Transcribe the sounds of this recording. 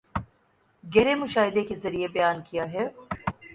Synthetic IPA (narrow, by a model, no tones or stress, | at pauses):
ɡɛːɾemʊʃaːɦɪd̪ekezɐɾiebɐjaːnkijaɦɛ